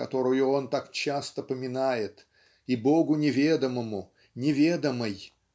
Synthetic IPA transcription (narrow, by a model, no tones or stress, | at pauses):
kɐt̪o̞ɾʊjʊo̞nt̪akt͡ɕast̪əpəmʲɪnajɪt̪ | ibo̞ɡʊnʲɪvʲed̪əməmʊ | nʲɪvʲe̞d̪əməj